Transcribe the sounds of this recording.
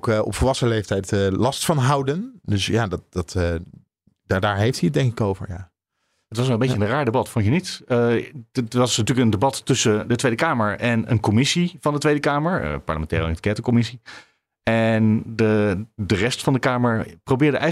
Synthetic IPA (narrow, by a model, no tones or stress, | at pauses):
kɔ̰pfəlˠʋɑsəlejftɛjtəlɑstfɑnɦʌwdəndøsjaːdɑtd̥ɑtː | dadaːɹɦejftiət̚dɛŋkɪkowvə̰ɹjaː | ətʋɑs̬ʋɛlˠəmbejjənəraːɹdebɑtfɔnjənitə | ʋɑsnatyːləkəndebɑtːʏsədətʋejdəkaːməɹɛnə̰nkɔmɪsivɑndətʋejdəkaːməɹə̰pɑ̰ɹləmɛ̃ntɛ̰ːɾətkɛtəkɔmɪsi | ɛndədərɛstfɑndəkaːməɹprowbɪːɹdəʔɛ